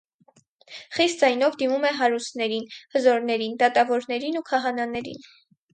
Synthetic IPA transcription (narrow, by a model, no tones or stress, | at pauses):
χist̪̚d͡zɑjnɔvd̪imumɛɦɑɾust̪nɛɾinhəzɔɾnɛɾind̪ɑt̪ɑvɔɾnɛɾinukʰɑɦɑnɑnɛɾḭn